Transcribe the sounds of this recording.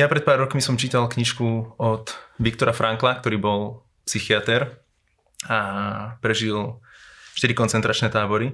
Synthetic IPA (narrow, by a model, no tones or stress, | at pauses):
japɾɛt̪̚paːɾːɔkmisɔmt͡ʃiːt̪alkɲiʃkuɔt̪ʋikt̪ɔɾafɾʔaŋklakt̪ɔɾiːbɔl | psixiat̪ɛɾ | apɾɛʒil | ʃt̪iɾikɔnt͡sɛnt̪ɾat͡ʃnɛːt̪aːbɔɾi